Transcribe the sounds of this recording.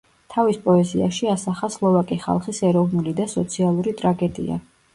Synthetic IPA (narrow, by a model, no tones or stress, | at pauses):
t̪ʰavispʼɔɛzia̰ʃiasaχaslˠɔvakʼiχa̰lˠχisɛɾɔvnulid̪asɔt̪sʰialˠuɾit̪ʼɾaɡɛd̪ḭa̰